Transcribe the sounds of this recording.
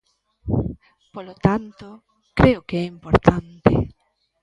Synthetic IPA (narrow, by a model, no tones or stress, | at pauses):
polot̪ant̪o | kɾeʊkeɛimpoɾt̪ant̪ḛ